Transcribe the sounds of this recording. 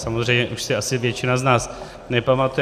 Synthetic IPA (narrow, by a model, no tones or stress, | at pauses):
samozrɛjɲɛʔuʃsɪasɪvjɛt͡ʃɪnaznaːs | nɛpamat̪u